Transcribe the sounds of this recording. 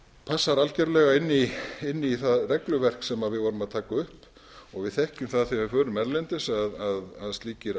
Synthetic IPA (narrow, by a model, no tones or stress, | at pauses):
pʰasːaɾalcɛɾlɛɣaɪnːiɪnːiθaðrɛklʏvɛr̥ksɛmaðvɪðvɔːɾʏmaðt̪ʰaːkaʏhp | ɔɣvɪðθɛhcʏmθaðθiaɪfœːɾʏmɛɾlɛnt̪ɪsaðaðaðst̪liːcɪɾ